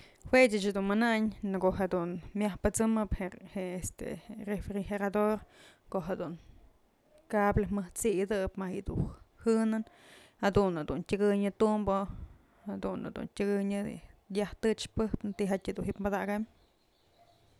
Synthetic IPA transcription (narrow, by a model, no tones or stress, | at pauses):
hwet͡ʃɨt͡ʃad̪unmanaɲnkoʔɦad̪unmjahpɨt͡sɨmɨpheest̪ḛrefɾiheɾad̪oɾkoʔɦad̪uŋ | kablamɨht͡sid̪ɨpmahiʔd̪ṵhɨnɨn | had̪unad̪untʲəɡɨɲɨt̪umbo | had̪una̰d̪ṵntʲɨɡɨɲɨjaht̪ɨt͡ʃpɨhpɨnt̪iɦatʲad̪unɦipmad̪aɡam